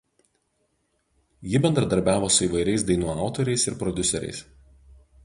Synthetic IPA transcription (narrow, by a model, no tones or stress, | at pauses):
jɪbʲɛnd̪ɾɐd̪ɐɾʲbʲæːʋoːsʊiːʋɐɪɾʲɛɪsd̪ɐɪnuːɑˑʊt̪oːɾʲɛɪsɪ̰ɾpɾɔd̪ʲʊsʲɛɾʲɛ̰ɪs